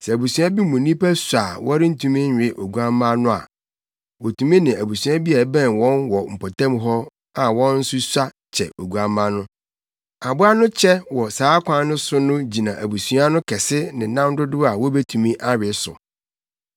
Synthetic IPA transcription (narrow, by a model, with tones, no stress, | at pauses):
sɛ˨æ˨bu˨su˨˦a˦bi˦mʊ̃˨nĩ˦pæ˦sa˨wɔ˦ɾɪ˦n̩˦tʰũ˦mĩ˦ɲᶣ˨ɪ˦ʔo˨ɡu˨˦a˦mã˦nʊ̃˦a̰˨ | wɔ˨tʰũ˨mĩ˦nɪ̃˨æ˨bu˨su˨˦ã˦bi˦a˨bɛ̃˦˨n˨wɔ̃˦nwɔ˨m̩˨pʰɔ˨tã˦mɦɔ˦ | a˨wɔ̃˦n̩˦sʊ˦sa˦ | t͡ɕʰɛ̰˨o˨ɡu˨a˨mã˦nʊ̃˦ | a˨bʊ˦a˦nʊ̃˦t͡ɕʰɛ˦wɔ˨saː˨˦kʷʰã˦nʊ̃˦sʊ˦nʊ̃˦d͡ʑi˨nã˨ʔæ˨bu˨su˨˦a˦nʊ̃˦kʰɛ˨sɪ˦nɪ̃˨nã˦mdʊ˦dʊ˦a˨wɔ˦be˦tʰũ˨mĩ˦ʔa˦ɾɪ˨˦sʊ̰˨